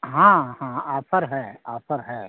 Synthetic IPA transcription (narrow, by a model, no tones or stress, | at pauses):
ɦãːhãaːpʰəɾɦɛːaːpʰəɾɦɛː